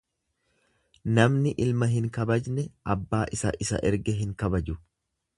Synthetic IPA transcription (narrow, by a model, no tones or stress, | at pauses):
nɐmnɪʔɪlmɐɦɪŋkɐbɐd͡ʒnɛʔɐbːaːʔɪsɐ̰ʔɪsɐ̰ʔɛɾɡɛɦɪŋkɐbɐd͡ʒʊ